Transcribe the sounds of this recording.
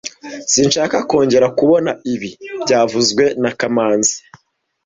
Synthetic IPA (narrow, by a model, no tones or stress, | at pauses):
sinʃaːkako̞ːɲɟe̞ɾakuβo̞naiβibɟaːvuzɡwe̞nakamaːnzi̥